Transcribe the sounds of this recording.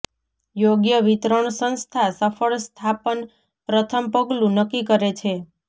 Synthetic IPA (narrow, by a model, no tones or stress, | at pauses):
joɡjəʋit̪ɾəɳsə̃nst̪ʰasəfəɭst̪ʰapən | pɾət̪ʰəmpəɡlũnəkːikəɾet͡ʃʰe